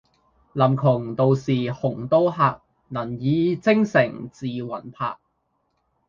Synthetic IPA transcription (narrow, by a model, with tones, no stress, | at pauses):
lɐ˨˩mkʰʊ˨˩ŋt̪o˨˧wsiː˨˩hʊ˨˩ŋt̪o˥wɦaː˨˧k̚ | nɐ˨˩njiː˨˧t͡sɪ˥ŋsɪ˨˩ŋt͡siː˨wɐ˨˩npʰa̰ː˧k̚